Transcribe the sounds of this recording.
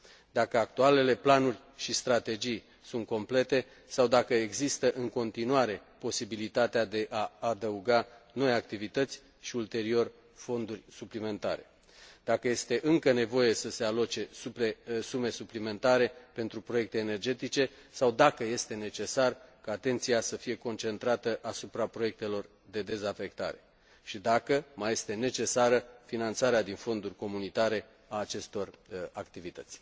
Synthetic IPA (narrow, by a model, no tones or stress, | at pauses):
d̪akəak̚t̪uale̞le̞planurʲ | ʃist̪ɾat̪e̞d͡ʒij | sunt̪̚ko̞mple̞t̪e̞ | sawd̪akəeɡzist̪əʔɨŋko̞nt̪inuaɾe̞po̞sibilit̪at̪ead̪e̞ʔaːd̪əuɡano̞jak̚t̪ivit̪ət̪sʲ | ʃiult̪e̞ɾio̞r | fo̞nd̪urʲsuplime̞nt̪a̰ɾe̞ | d̪̥akəje̞st̪e̞ʔɨŋkəne̞vo̞je̞səse̞alo̞t͡ʃe̞suesume̞suplime̞nt̪aɾe̞pe̞nt̪ɾupɾo̞je̞k̚t̪e̞ːne̞rd͡ʒe̞t̪it͡ʃe̞sawd̪akəje̞st̪e̞ne̞t͡ʃe̞sarkaːt̪e̞nt̪siasəfije̞ko̞nt͡ʃe̞nt̪ɾat̪əʔasupɾapɾo̞je̞k̚t̪e̞lo̞r | d̪e̞d̪e̞zafe̞kt̪a̰ɾe̞ | ʃid̪akəmaje̞st̪e̞ne̞t͡ʃe̞saɾəfinant̪saɾead̪info̞nd̪urʲko̞munit̪aɾe̞ | aːt͡ʃe̞st̪o̞rakt̪ivit̪ət̪sʲ